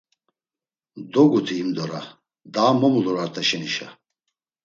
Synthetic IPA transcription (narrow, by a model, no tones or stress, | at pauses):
d̪ɔɡut̪ʰiːmd̪ɔɾa | d̪aːmɔmuluɾaɾt̪ʰaʃɛniʃa̰